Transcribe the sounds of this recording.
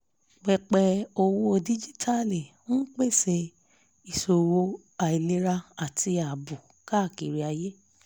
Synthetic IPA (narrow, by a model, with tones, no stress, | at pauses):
ɡ͡bɛ˧˨k͡pɛ˧o˧wo˧o˧di˦d͡ʒi˦tʰa˦le˨ | ũ˦k͡pe˦˨se˧ | i˨so˧wo˧˦ | a˨i˨le˦ɾa˧a˨ti˧a˨bu˨ | ka˦˨ki˨ɾi˧a˧je˦